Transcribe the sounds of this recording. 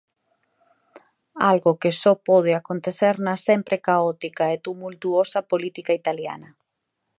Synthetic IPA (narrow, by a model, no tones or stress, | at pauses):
alɣokesɔpɔð̞ɪakont̪eθeɾnɐsempɾʔekaɔt̪ikaet̪umult̪uosɐpolit̪ikait̪alja̰nɐ